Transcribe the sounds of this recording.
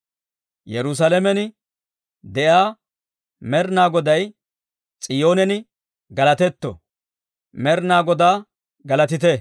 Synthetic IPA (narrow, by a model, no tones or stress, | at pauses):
jɛɾʊs̬ɐlɐmɛnɪ | d̪ɛʔjaː | mɛɾnaːɡɔd̪ɐj | t͡sʼɪjoːnɛnɪ | ɡɐlɐt̪ɛt̪ːɔ̰ | mɛɾnaːɡɔd̪aː | ɡɐlɐt̪ɪt̪ɛ